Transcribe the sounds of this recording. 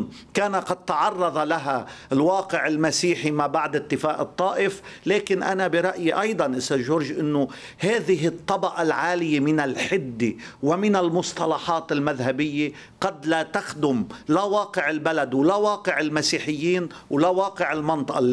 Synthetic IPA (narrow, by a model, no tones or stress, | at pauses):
kaːnaqɑd̪̚t̪ɑʕɑrˤːɑðˤɑlaɦalwɑːqɪʕɪlmasiːħimaːbaʕd̪ɪt̪ːɪfaːʔɨt̪ˤːɑːʔɪfleːkɪnʔanabɪɾˤɑʔjiʔɑjd̪ˤɑnʔɪst̪ːaːd̪ʒoːɾʒʔɪnːʊ | haːðɪɦɪt̪ˤːɑbɑʔalʕaːlɪjemɪnalħɪd̪ːewamɪnɪlmʊsˤt̪ˤɑlɑħɑːt̪ɪlmaðɦabɪjːe | qɑd̪lat̪axd̪ʊmlawɑːqɪʕɪlbalad̪wlawɑːqɪʕɪlmasiːħɪjːiːn | wlawɑːqɪʕɪlmɑnt̪ˤɑʔɑ